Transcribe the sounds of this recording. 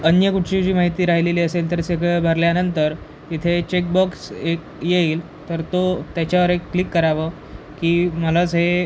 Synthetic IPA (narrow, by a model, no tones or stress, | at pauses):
ənjəkuʈʰɕid͡ʑiːmaɦit̪iːɾaɦileliːəselt̪əɾseɡebʱəɾljanənt̪əɾ | it̪ʰet͡ɕek̚bɔksek̚ | jeiːl | t̪əɾt̪ot̪jat͡ɕaʋəɾekːlikːəɾaʋə | kiːmələt͡sɦe